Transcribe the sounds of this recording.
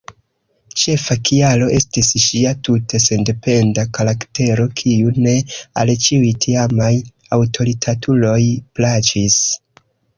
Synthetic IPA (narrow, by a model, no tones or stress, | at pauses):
t͡ʃe̞fakialo̞ʔe̞stisʃiatutese̞nde̞pe̞ndakaɾakte̞ɾo̞kʰiune̞a̰lt͡ʃiujtʰiamaj | awtʰo̞ɾitʰatʰulo̞jplat͡ʃis